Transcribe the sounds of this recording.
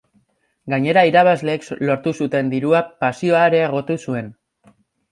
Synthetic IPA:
ɡaɲe̞ɾaiɾaβ̞azle̞ːkslo̞ɾt̪usut̪e̞nd̪iɾuapasio̞aeɾe̞ːɣ̞o̞t̪usue̞n

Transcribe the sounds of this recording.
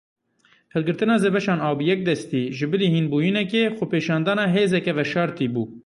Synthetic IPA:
hɨlɡɨɾt̪ɨnɑːzeːbɛʃɑːnɑːbijɛk̚d̪ɛst̪iːʒɪbɨliːhiːnbuːjinɛkeːxʷʊpeːʃɑːnd̪ɑːnɑːɦeːzɛkɛvɛʃɑːɾt̪iːbuː

